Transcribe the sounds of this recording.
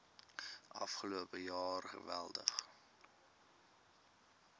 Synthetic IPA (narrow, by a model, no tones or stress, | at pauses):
ʔɐ̰fχəluəpəjɑːrχə̰vælˠdə̰χ